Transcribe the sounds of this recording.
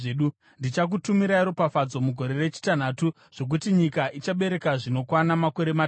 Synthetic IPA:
ɗu | ndit͡ʃak̬utumiɾaiɾo̞pafad͡zo̞muɡʱo̞ɾe̞re̞t͡ʃi̥tan̤aːtu | ʐ̥o̞k̬utiɲikaʔit͡ʃaɓe̞ɾe̞kaʐino̞kwanamako̞ɾe̞ma

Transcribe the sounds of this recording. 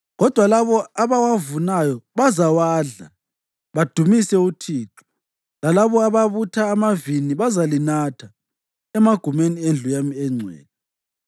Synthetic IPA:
ɣɔd̥ʱwalaβɔaβawavunajɔβazawaːɮa | βad̥ʱumisɛutʰiːǁɔ̥ | lalaβɔaβaβutʰaːmaviniβazalinatʰa | ɛmaɡ̥ʱumeniend͡ɮʱujamiɛŋ͡ǀʱwɛ̰ːlɛ

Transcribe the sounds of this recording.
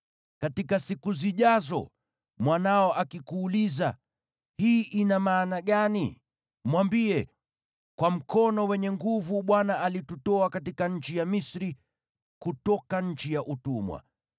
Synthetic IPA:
katikasikuziʄazɔ̰ | mwanaɔʔakikuːliza | hiːʔinamaːnaɠani | mwambiɛ | kwam̩kʰɔnɔwɛɲɛŋɡuvuɓwanaʔalitutɔakatikaɲ̩t͡ʃijamisɾi | kutɔkaɲ̩t͡ʃijaʔutumwa̰

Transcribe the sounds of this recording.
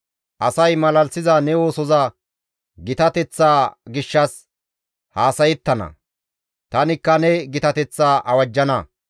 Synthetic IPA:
ʔɐsɐjmɐlɐlsɪzɐnɛwo̞ːsɔzɐ | ɡɪt̪ɐt̪ɛt͡sːaːɡɪʃːɐs | haːsɐjɛt̪ːɐnɐ̰ | t̪ɐnɪkːɐnɛɡɪt̪ɐt̪ɛt͡sːaːʔɐwɐd͡ʒːɐnɐ

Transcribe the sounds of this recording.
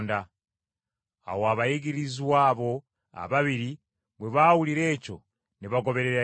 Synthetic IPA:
nda | a̰woaβajiɡiɾizwaːβo̞ | a̰βaβiɾi | βweβawuliɾe̞ːco̞̰ | niβaɡo̞βe̞ɾeɾa

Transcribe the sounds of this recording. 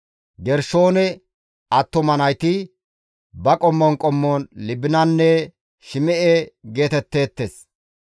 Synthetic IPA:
ɡɛɾʃo̞ːnɛ | ɐt̪ːɔmɐnɐjt̪ɪ | bɐkʼɔmːɔnkʼɔmːoːnlɪbɪnɐnːɛ | ʃɪmɛʔeːɡe̞ːt̪ɛt̪ːe̞ːt̪ːeːs

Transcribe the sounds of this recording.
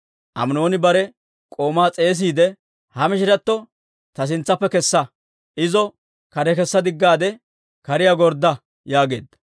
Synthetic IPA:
ʔɐ̰mno̞ːnɪbɐɾɛ | kʼo̞ːmaːt͡sʼe̞ːs̬iːd̪ɛ | hɐmɪʃɪɾɐt̪ːɔ | t̪ɐs̬ɪnt͡sːɐpːɛkɛsːɐ | ʔɪzɔ | kɐɾɛkɛsːɐd̪ɪɡːaːd̪ɛ | kɐɾɪjaɡɔɾd̪ːɐ | jaːɡe̞ːd̪ːɐ̥

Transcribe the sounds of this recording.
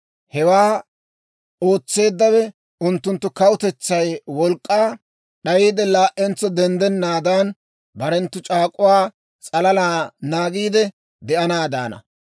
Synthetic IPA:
hɛwaː | o̞ːt͡sːe̞ːd̪ːɐwɛ | ʊnt̪ːʊnt̪ːʊkɐwʊt̪ɛt͡sːɐjwɔlkʼːaː | ɗɐjiːd̪ɛlaːʔɛnt͡sɔd̪ɛnd̪ɛnːaːd̪an | bɐɾɛnt̪ːʊt͡ʃʼaːkʼʊwaː | t͡sʼɐlɐlaːnaːɡiːd̪ɛ | d̪ɛʔɐnaːd̪a̰ːnɐ̰

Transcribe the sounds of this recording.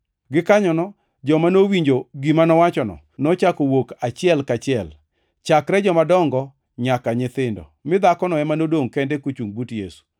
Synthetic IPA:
ɡɪkaɲɔnɔ | d͡ʒɔmanowiɲd͡ʒoɡimanɔwat͡ʃɔnɔ̰ | nɔt͡ʃakowokat͡ʃɪɛlkat͡ʃɪɛl | t͡ʃakɾɛd͡ʒɔmadɔŋɡɔ | ɲakaɲɪt̪ɪndɔ̰mɪd̪akɔnɔɛmanodoŋkɛndɛkot͡ʃuŋbutjesu̥

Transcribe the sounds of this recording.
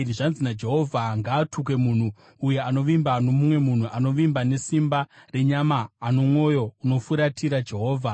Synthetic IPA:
riʐanzinad͡ʒe̞ɦo̞vʱaŋɡaːtuk̬e̞mun̤uː | je̞ano̞ʋimbano̞mumwe̞mun̤uʔano̞ʋimbane̞simbare̞ɲamaːno̞mwo̞jo̞uno̞fuɾatʰiɾad͡ʒe̞ɦo̞ːvʱa

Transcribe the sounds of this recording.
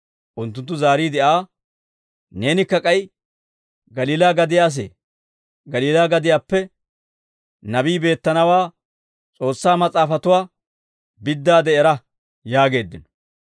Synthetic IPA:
ʔʊnt̪̬ːʊnt̪ːʊzaːɾiːd̪ɛʔaː | ne̞ːnɪkːɐkʼɐj | ɡɐliːlaːɡɐd̪ɪjaːs̬ḛː | ɡɐliːlaːɡɐd̪ɪjaːpːɛ | nɐbiːbe̞ːt̪ːɐnɐwaː | t͡sʼo̞ːsːaːmɐt͡sʼaːfɐt̪ʊwaː | bɪd̪ːaːd̪ɛʔɛɾɐ | jaːɡe̞ːd̪ːɪnɔ̥

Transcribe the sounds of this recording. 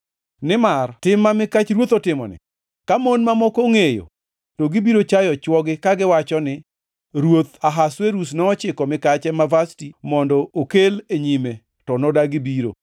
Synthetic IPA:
nɪmartɪmːamɪkat͡ʃɾwot̪otɪmɔ̰nɪ̰ | kamonmamɔkoŋejo̰ | toɡɪbiɾot͡ʃajɔt͡ʃwɔɡɪkaɡɪwat͡ʃɔnɪ | ɾwot̪aɦasweɾusnɔɔt͡ʃɪkɔmɪkat͡ʃɛmavastimɔndɔokeleɲime | tɔnɔdaɡɪbiɾo̰

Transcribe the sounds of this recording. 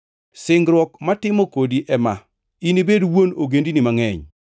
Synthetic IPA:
sɪŋɡɾwɔkmatɪmɔkodiʔɛma̰ | inibedwonoɡendinimaŋɛɲ

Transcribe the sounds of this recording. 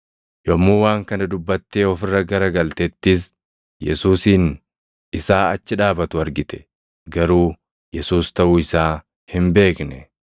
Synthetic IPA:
jɔmːuːwaːŋkɐnɐd̪ʊbːɐt̪ːe̞ːɔfɪrːɐɡɐɾɐɡɐlt̪ɛt̪ːɪs | jɛ̰suːsiːn | ɪsaːɐt͡ʃːɪᶑaːbɐt̪ʊɐɾɡɪt̪ɛ̥ | ɡɐɾuː | jɛsuːst̪ɐʔuɪsaː | hɪmbe̞ːknɛ

